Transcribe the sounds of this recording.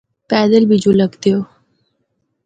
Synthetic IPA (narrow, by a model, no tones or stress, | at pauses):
pæd̪əlbid͡ʑuləɡt̪jo